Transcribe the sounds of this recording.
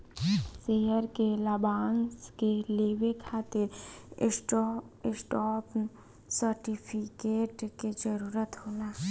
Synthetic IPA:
seɦəɾkelabaːnskeleːwekʰaːt̪ɪɾ | ɪsʈɔːp | səɾʈipʰikeːʈked͡ʒəɾuːɾət̪ɦoːnaː

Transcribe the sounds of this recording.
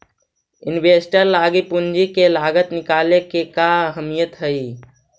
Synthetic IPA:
inbesʈəɾlaɡipund͡ʒikelaɡət̪nikalekekaəɦəmijət̪ɦəi

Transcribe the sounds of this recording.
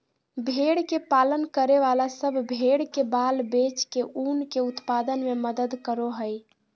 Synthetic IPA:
bʱeɽkepalənkəɾeʋalasəbʱbʱeɽkebalbet͡ʃkeʔunkeut̪pad̪ənmeməd̪əd̪kəɾoɦəj

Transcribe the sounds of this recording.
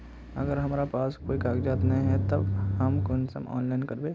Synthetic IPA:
ɐ̰ɡəɾɦɐmaːɾapaːskoːikaːɡd͡ʒaːt̪nɐĩɦɛt̪ɐbhɐmkʊnsə̰mɔ̰ːnlaɪnkɐɾbeː

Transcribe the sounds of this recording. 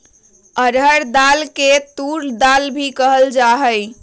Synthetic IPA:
əɾɦəɾd̪alket̪uɾd̪albʱikəɦəld͡ʒaɦəɪ

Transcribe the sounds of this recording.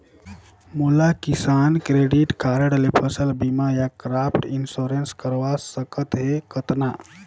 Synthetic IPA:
mulakisankɾeɖiʈkaɾəɽlepʰəsəlbimajakɾapʰʈinsoɾenskəɾʋasəkət̪ɦekət̪na

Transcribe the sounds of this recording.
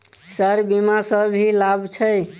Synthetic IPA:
səɾbimasəbɦilabt͡ʃʰəj

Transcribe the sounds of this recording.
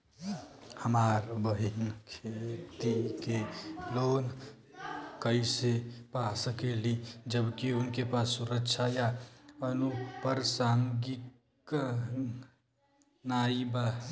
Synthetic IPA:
həmaːɾbəɦinkʰet̪ikelon | kəisepasəkelid͡ʒəbkiʊnkepasːuɾəkʃʰajaənupəɾsaŋɡik | naiba

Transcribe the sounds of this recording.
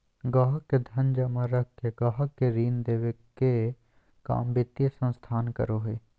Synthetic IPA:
ɡaːɦəkːed̪ʱɐnd͡ʒamaɾək̚ʰkeɡaːɦəkːeɾiːnd̪eːʋekːe | ka̰ːmbɪt̪jesə̃nst̪ʰaːnkə̰ɾoːɦeː

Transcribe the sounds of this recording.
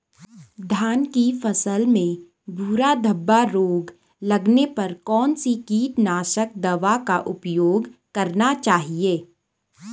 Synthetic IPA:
d̪ʱjaːnkifɐsəlmẽ | bʱuːɾad̪ʱəbːaɾoːɡ | lɐɡnepɐɾkɔːnsikiːt̪naːʃək̚d̪ɐʋakaʔʊpjoːɡkɐɾnat͡ʃaːɦieː

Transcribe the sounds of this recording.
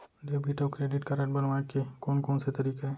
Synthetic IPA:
ɖeːbʱiʈokɾeːɖɪʈkɐɾəʈbɐnʋakekoːnkoːnset̪ɐɾiːkaɦɛː

